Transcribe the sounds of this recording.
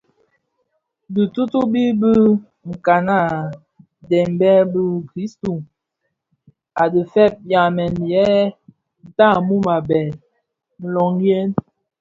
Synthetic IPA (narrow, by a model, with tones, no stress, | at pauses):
bi˨tu˦tu˦bi˦bə˦ | ŋ̩˨ka˨na˦˨ | dɛ˨m˨˦bɛ˦bə˦kɾi˦sto˨ | a˨də˨fɛ˦˨p̚ja˨mɛ˨n˨jɛ˦ | n̩˨ta˦˨mu˦ma˨bɛ˨ | n̩˦˨lɔ˨ŋje˦n